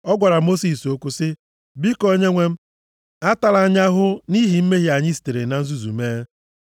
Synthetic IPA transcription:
ɔ˦ɡʷa˨ɾa˨mo˦si˨so˦kʷu˦sɪ˦ | bi˦ko˦ɲe˦ŋʷe˦m̩˦ | a˦ta˦la˨˦ɲa˦ɦʊ˦ni˦ɦi˨m̩˦me˦ɦi˦a˨ɲɪ˦si̥˨te˨ɾe˨na˨n̩˦zu˦zṵ˨meː˦

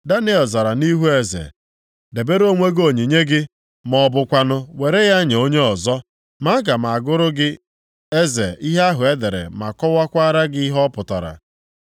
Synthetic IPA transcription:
da˦ne˦ɔ˨za˨ɾa˨ni˦ɦu˦e˦zḛ˨ | de˨be˦ɾo˦ŋʷe˦ɡo˨ɲi˨ɲe˦ɡɪ˦ | mɔ˨bʊ˨kʷa˦nʊ˦we˨ɾe˦ja˦ɲ˨o˦ɲe˦ɔ˨zɔ˦ | ma˦ɡa˨ma˨a˨ɡʊ˦ɾʊ˦ɡɪ˦ | e˦zḛ˨i˦ɦa˦ɦʊ˨e˦de˨ɾḛ˨ma̰˨kɔ˦wa˦kʷa˦ɾa˦ɡɪ˦i˦ɦɔ˦pʊ˨ta̰˨ɾa̰˨

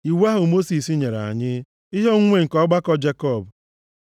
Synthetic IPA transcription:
i˨wa˦ɦʊ˨mo˦si˨si˦ɲe˨ɾa̰˨ɲɪ˦ | ɪ˦ɦe˦ŋ̩˦ŋʷe˦˨ŋ̩˨kɔ˦ɡ͡ba˦kɔ˦d͡ʒe˦kɔ˦˨b

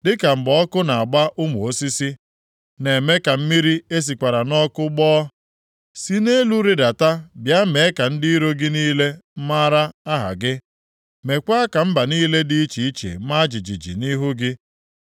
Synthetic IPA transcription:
dɪ˦ka˨m̩˨bɔ˦ɔ˦kʊ˦na˨a˨ɡ͡ba˦ʔʊ˦mʊ˨o˦si˦si˦ | ne˨me˦ka˨m̩˦mi˦ɾi˦e˦s̬i˨kʷa˨ɾa˨nɔ˦kʊ˦ɡ͡bɔː˦ | si˦ne˦lu˦ɾɪ˦da˨ta˦bja˦me˨˦ka˨n̩˦di˦i˦ɾo˦ɡɪ˦niː˦le˦ma˦ɾa˦a˦ɦa̰˨ɡɪ˦ | me˨kʷa˦a˦ka˨m̩˦ba˨niː˦le˦di˦i˦t͡ʃi˨i˦t͡ʃḛ˨˦ma˦d͡ʒi˨d͡ʒi˨d͡ʒḭ˨ni˦ɦʊ˦ɡɪ˦

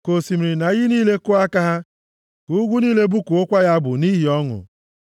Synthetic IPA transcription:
ko˨si˨m˨ɾi˨na˨ɣɪ˦niː˦le˦kʊ˦a˦ka˦ɦa˦ | ku˦ɡʷu˦niː˦le˦bu˦ku˨ʊ˦kʷa˦ja˦bʊ̰˨ni˦ɦi˨ɔ˦ŋʊ̰˨

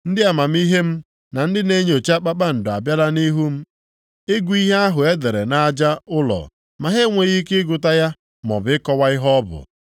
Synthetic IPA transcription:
n̩˦dɪ˦a˨ma˨m̩˦i˦ɦe˦m̩˦ | na˨n̩˦dɪ˦ne˦ɲ˦o˨t͡ʃa˦k͡pa˦k͡pa˦n̩˨dʊ˨a̰˨bja˦la˦ni˦ɦu˦m̩˦ | e˦ɡʷu˦i˦ɦe˦a˦ɦʊ˨e˦de˨ɾe˨na˨a˨d͡ʒa˦ʊ˦lɔ̰˨ | ma˨ɦe˦ŋʷe˨ɣi˦kɪ˦ɡʊ˨ta˦ja˦ | mɔ̰˨bɪ˨ɪ˦kɔ˦wa˦ɪ˦ɦɔ˦ɔ˦bʊ̰˨

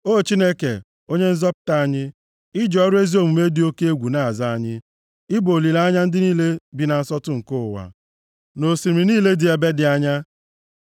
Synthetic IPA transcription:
o˦˨t͡ʃi˦ne˦kḛ˨ | o˦ɲe˦n̩˦zɔ˦pʊ̥˦ta˦a˦ɲɪ˦ | ɪ˦d͡ʒɔ˨ɔ˦ɾʊ˦e˦zi˦o˨mu˨me˦di˨o˦ke˦e˦ɡʷu˨na˨a˨za˦a˦ɲɪ˦ | ɪ˦bo˨li˨la˦a˦ɲa˦n̩˦dɪ˦niː˦le˦bi˨na˨n̩˦sɔ˦tʊ˦ŋ̩˨ko˦ʊ˨wa̰˨ | no˨si˨ɾmi˨niː˦le˦dɪ˨e˨be˦dɪ˨a˦ɲa˦

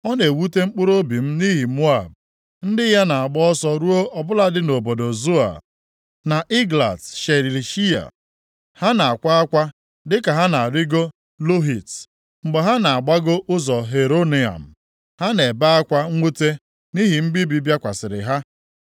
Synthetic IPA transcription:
ɔ˦ne˨wu˦te˦ŋ͡m̩˦k͡pʊ˦ɾo˦bi˨m̩˦ni˦ɦi˨mo˦a˨b̚ | n̩˦dɪ˦ja˦na˨a˨ɡ͡bɔ˦ɔ˦sɔ˦ɾu˦o˦ʔɔ˨bʊ˦la˦dɪ˦no˨bo˨do˨zu˦a̰˨ | na˨ʔi˦ɡla̰˨sʃe˨ɾi˨li˨ʃi˦a̰˨ | ha˦na˨a˨kʷa˦a˦kʷa˦ | dɪ˦ka˨ɦa˦na˨a˨ɾi˦ɡo˦ | lo˦ɦi˨t | ŋ͡m̩˨ɡ͡be˨ɦa˦na˨a˨ɡ͡ba˦ɡo˦ʔʊ˦zɔ˨ɦe˨ɾo˦ni˨a̰˨m̩˨ | ha˦ne˨ba˦a˦kʷa˦ŋʷu˦te˦ | ni˦ɦi˨m̩˦bi˦bi˦bja˦kʷa˨sɪ˨ɾɪ̰˨ɦa˦

